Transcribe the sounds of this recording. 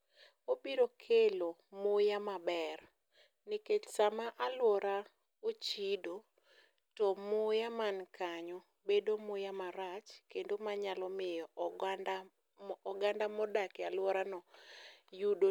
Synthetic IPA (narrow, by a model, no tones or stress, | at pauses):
obiɾokʰelomojamabɛr | nɪket͡ʃsamaʔalwɔɾa | ot͡ʃido | tɔmʊjamankaɲɔ | bedomʊjamaɾat͡ʃkendomaɲalɔmɪjɔ | ɡandamɔdakealwɔɾanɔjudo